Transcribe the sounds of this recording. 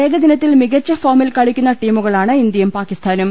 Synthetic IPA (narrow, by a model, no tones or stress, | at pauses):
e̞ːɡɐd̪inɐt̪ːilmiɣɐt͡ɕːɐfoːmilkɐɻikʲːunːɐʈiːmuɣɐɭaːɳɨind̪jɐjumpaːkist̪ʰaːnum